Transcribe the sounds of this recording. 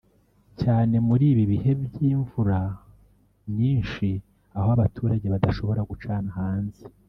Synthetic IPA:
caːne̞muɾiːβiβihe̞bjiːɱvuɾa | mɲiːnʃi | ahoaβatʰuːɾaɟe̞βadaʃo̞βo̞ɾaɡut͡ʃaːnahaːnzi̥

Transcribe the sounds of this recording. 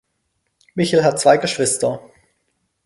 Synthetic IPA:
mɪçəl̩ɦat̚t͡sv̥aɪɡəʃv̥ɪstɐ

